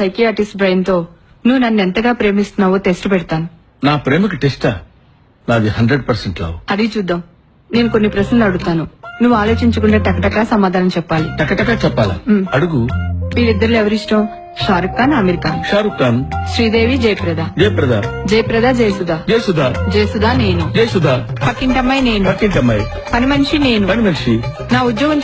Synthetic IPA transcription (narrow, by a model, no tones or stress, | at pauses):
sɐjkiaːʈisʈbɾɐjnt̪o̞ː | nuʋːunɐnːent̪ɐɡaːpɾe̞ːmist̪unːaːʋoːt̪esʈupɛɽit̪aːnu | naːpɾe̞ːmɐkiʈesʈaː | naːd̪iɦɐɳɖɾeɖpɐɾseɳʈlɐ̰ːuɐd̪it͡ʃuːd̪ːaːm | ne̞ːnuko̞nːipɾɐʃnɐlɐɽut̪aːnunuʋːaːlo̞ːt͡ʃiɲt͡ʃɐkuɳɖeːʈɐkːɐʈɐkːaːsɐmaːd̪ʱaːnɐmt͡ʃɛpːaːliʈɐkːɐʈɐkaːt͡ʃɛpːaːla̰ɐɽuɡuʋiːɽid̪ːɐɾulɛʋɐɾisʈɐm | ʃaːɾukːaːnɐmeɾikaːʃaːɾukːanʃɾiːd̪eːʋid͡ʒɐjpɾɐd̪ʱaːd͡ʒɛjpɾɐd̪aːd͡ʒɐjpɾɐd̪aːd͡ʒeːsud̪aːd͡ʒeːsud̪aːd͡ʒeːsud̪aːne̞ːnud͡ʒeːsud̪aːpʰɐkːiɳʈɐmːɐjne̞ːnupɐkːiɳʈɐmːɐj | pɐnimɐniʂine̞ːnupɐnimɐnʂi | naːud̪joːɡɐm